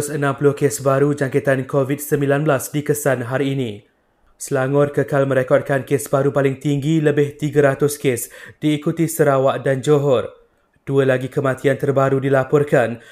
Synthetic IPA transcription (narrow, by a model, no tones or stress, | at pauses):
sənãmpulʊhkesbaɾud͡ʒaŋket̪ankovit̚səmbilanbəlasdikəsanɦaɾiːnĩ | səlaŋɔrkəkalmə̃ɾekɔt̚kankesbaɾupalɪŋt̪iŋɡiləbɪht̪iɡaɾat̪ʊskesdiːkut̪isəɾawaʔdand͡ʒoɦɔr | d̥uəlaɡikəmãt̪iant̪ərbaɾudilapɔrkan